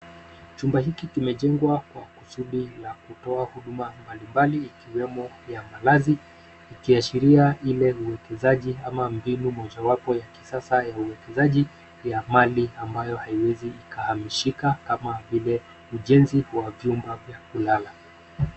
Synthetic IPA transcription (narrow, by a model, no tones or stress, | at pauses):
t͡ʃumbahikikimɛʄɛŋɡwakwakusuɗilakutɔahuɗumambalimbaliːkiwɛmɔ | jamalazi | ikiaʃiɾiailɛuwɛkɛzaʄiamambinumɔʄawapɔjaki̥sasajauwɛkɛzaʄi | jamaliambajɔhaiwɛziːkahamiʃikakamavilɛ | uʄɛnziwavjumbavjakulala